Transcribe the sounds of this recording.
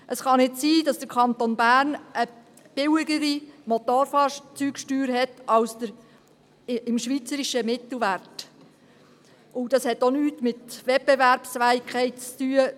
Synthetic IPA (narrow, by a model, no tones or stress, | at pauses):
ʔəsχɑnɪtsiːdɑsd̥əɾkʰɑnt̪onbæːɾnə | b̥ɪwɪɡəɾimot̪oɾfɑːʃt͡syːkʃtyːɾɦɛtɑwsd̥̪əɾ | ɪmʃʋit͡səɾiʃəmɪtl̩ʋæɾrt | ʔʊd̥ɑshɛtonyːtmɪtʋɛt̚b̥evæɾpsfæːikʰχɛɪt̚t͡styːə